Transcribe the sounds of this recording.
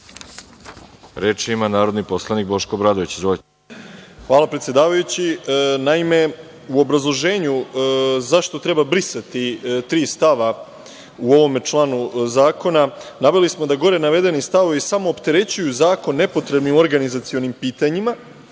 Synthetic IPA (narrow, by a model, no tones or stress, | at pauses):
ɾet͡ʃimanaːɾod̪nipo̞slˠanik̚bo̞ʃkobɾad̪oʋit͡ɕzoe | xʋaːlapɾet̪sjed̪aːʋajut͡ɕinaime̞ | uo̞bɾazlˠo̞ʒe̞ːɲuzaʃt̪o̞t̪ɾe̞babɾisat̪it̪ɾiːst̪aʋa | uo̞ʋo̞met͡ʃlˠaːnuzaːko̞nanaʋe̞lismo̞d̪aɡo̞ɾe̞naʋe̞d̪e̞nist̪aʋoʋisamo̞ːpt̪e̞ɾe̞t͡ɕujuzaːko̞nːe̞po̞t̪ɾe̞bnioɾɡanizat̪sio̞nimpiːt̪aɲima